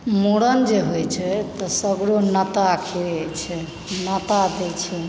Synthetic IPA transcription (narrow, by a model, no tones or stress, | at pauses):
moɽənd͡ʒeɦojt͡ʃʰɛt̪ɔsəbɽonət̪akʰeɾt͡ʃʰɛ | nət̪ad̪et͡ʃʰɛ